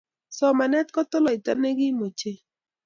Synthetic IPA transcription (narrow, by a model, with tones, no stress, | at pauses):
sɔ˨ma˨nɛ˦t̪kɔ˦t̪ʊ˦lɔ˨ɪ˨tɔ̰˦ne˦ɡɪ˦mo˨t͡ʃe˦